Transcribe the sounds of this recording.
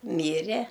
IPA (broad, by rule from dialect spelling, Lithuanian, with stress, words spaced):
ˈmʲiːrʲɛ